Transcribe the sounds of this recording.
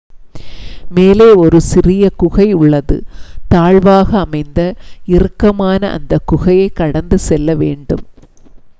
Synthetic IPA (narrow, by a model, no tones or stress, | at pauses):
meːleːɔɾɯsɪrɪjɐkʊɣɐɪʊɭːɐðɯ̰t̪aːɻʋaːɣɐːmɐɪnd̪ɐɪrɯkːɐmaːnɐʔɐ̰nd̪ɐkʊɣɐjɐɪkːɐɽɐnd̪ɯsɛlːɐʋeːɳɖɯ̰m